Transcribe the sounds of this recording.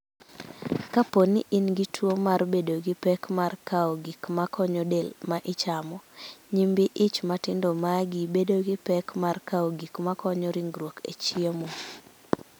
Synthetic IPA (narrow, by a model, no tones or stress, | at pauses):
kaponiʔɪnɡitʰwomaɾbedoɡɪpɛkmarkaɔɡikmakʰɔɲɔdelmaʔɪt͡ʃamɔɲimbiʔɪt͡ʃmatɪndomaɡibedoɡɪpɛkmarkaɔɡikmakɔɲɔɾiŋɡɾwokḛt͡ʃiemo